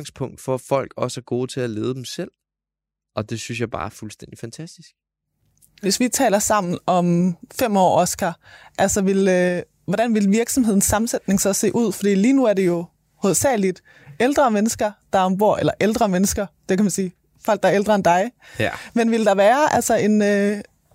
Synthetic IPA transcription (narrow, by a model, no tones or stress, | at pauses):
ŋspʰɔ̽ŋ̰d̥fɒfɒ̽l̰ɡ̥ɒ̽səæɡ̥o̝ːt͡sʰe̝æle̝ːð̞ˠd̥emsel̰ | ɒ̽d̥e̝synsjɑ̈ɪb̥ɑ̈ːfulsd̥en̰d̥ifænt͡sʰæsd̥isɡ̥ | ʋe̝sʋit͡sʰɛ̰ːlɐsɑ̈m̰n̩ɒ̽mfem̰ɒ̰ːɒsɡ̥æʔælsɒʋe̝lø | ʋɒd̥ænʋe̝lʋiɐɡ̥sɒ̽mhe̝ð̰ˠn̩sːɑ̈mn̩sed̥ne̝ŋsɒ̽se̝̰ːʔuð̞̰ˠfɒd̥ḭːliːnuæɐɾe̝jo̝ | hoð̰ˠsɛ̰ːlid̥ | eld̥ʁɐmenəsɡ̥ɐd̥ɑ̈ɒ̽mb̥o̝ɐ̰elɐʔeld̥ʁɐmenəsɡ̥ɐd̥e̝kʰæmænsiː | fɒl̰ɡ̚d̥ɑ̈eld̥ʁɐend̥ɑ̈ɪmenʋe̝ld̥ɑ̈ʋæːɐʔælsɒe̝nø